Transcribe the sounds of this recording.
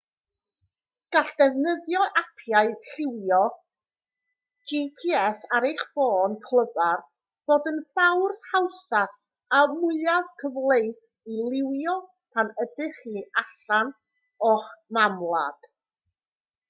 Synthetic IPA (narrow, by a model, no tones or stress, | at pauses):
ɡ̥aɬd̥ɛvnəðjɔʔapʰjaɨɬɪwjɔ | d͡ʒipʰiɛsaɾejχfoːnkʰlˠəvar | b̥oːdənfawrðhawsaθ | amʊɨavkʰəvlˠejθ | ilˠɪwjɔ | pʰanədɪχiːʔaɬan | ɔχmamlˠa̰d̥